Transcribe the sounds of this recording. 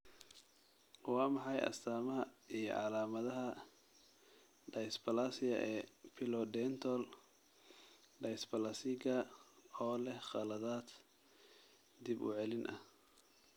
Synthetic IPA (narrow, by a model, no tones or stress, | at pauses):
wɑːmɑħɑjɐ̰st̪ʰaːmɐɦɐijɞ̰ʕɑlaːmɐðɐɦɐ | ɖɐjsbɐlasɪjɐʔɛːpʰɪlɔd̪ɛːnt̪ʰɔl | ɖɐjsbɐlasɪɡɐɔːlɛhχɑlɐðaːd̪ | d̪ibʊ̰ʕɛlɪnʔɐ̰h